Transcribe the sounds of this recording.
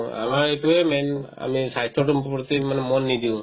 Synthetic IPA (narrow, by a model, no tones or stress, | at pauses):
a̰maɹetuɛmɛna̰misajstɔtumppɔt̪imanɛmɔnːidiʊ̃